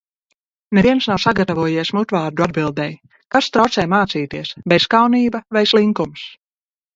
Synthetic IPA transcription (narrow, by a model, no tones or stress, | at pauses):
nɛviɛnsnawsaɡat̪avuɔjiɛsmut̪vaːɾd̪uad̪bilˠd̪ɛj | kast̪ɾawt̪sɛjmaːt̪siːt̪iɛsbɛzkawniːbavɛjslˠiŋkums